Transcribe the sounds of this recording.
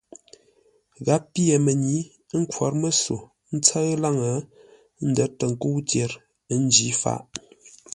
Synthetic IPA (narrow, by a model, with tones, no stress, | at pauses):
ɣa˨˦pi˦ə˨mə˨ɲi˨˦ | ŋ̩˦kʰwɔ˨˦ɾmə˦so˨ | n̩˦t͡sə˦ɣla˦˨ŋə˨˦ | n̩˦də˨˦tə˨ŋ̩˨ku˦wtje˨˦ɾ | n˦d͡ʒi˨˦fa̰˦˨ʔ